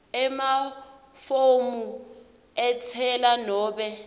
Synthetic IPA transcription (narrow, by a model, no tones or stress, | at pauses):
ɛma | fomu | ɛt͡sʰɛlanɔːɓɛ